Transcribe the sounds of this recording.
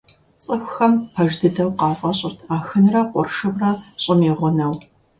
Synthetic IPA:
t͡sʼɨxʷxɐmpʰɐʒdɨdɐwqɑːfʼɐɕʼɪrtʰaːxɨnrɐqʷʼɔrʃɨbrɐɕʼɪmiːʁʷʊnɐw

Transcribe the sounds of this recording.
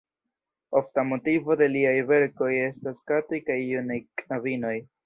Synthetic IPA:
o̞ftamo̞tivo̞de̞liajve̞ɾko̞je̞staskatojkajːunajknavino̞j

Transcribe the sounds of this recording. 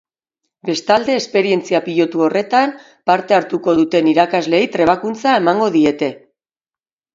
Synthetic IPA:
be̞st̪ald̪e̞ːspe̞ɾie̞nt͡siapiʎo̞t̪uo̞re̞t̪am | paɾt̪e̞aɾt̪uko̞ðut̪e̞niɾakazle̞jt̪ɾe̞β̞akunt͡sae̞maŋɡo̞ðie̞t̪e̞

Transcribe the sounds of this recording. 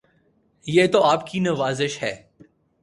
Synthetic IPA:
jeːt̪oaːp̚kinɐʋaːzɪʃhɛː

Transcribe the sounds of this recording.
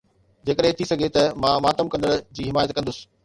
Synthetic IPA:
d͡ʑeːkəɗɦẽt̪ʰisɐɡʱet̪ɐmãːmaːt̪əmkɐ̃nd̪əɾd͡ʑiːɦɪmaːjət̪̚kɐ̃nd̪ʊsɪ̥̆

